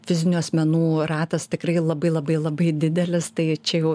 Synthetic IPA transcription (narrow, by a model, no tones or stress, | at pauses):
fʲɪzʲɪnʲuɐsʲmʲɛnuːrɑːt̪ɐst̪ʲɪkɾɐɪlˠɐbɐɪlˠɐbɐɪlˠɐbɐɪd̪ʲɪd̪ʲɛlʲɪst̪ɐɪt͡ʃʲɛjɛʊ